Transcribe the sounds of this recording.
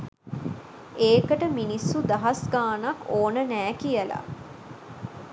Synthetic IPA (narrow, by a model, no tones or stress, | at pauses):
eːkəʈəminisːud̪aɦɐsɡaːnɐkːoːnənæːkijəla̰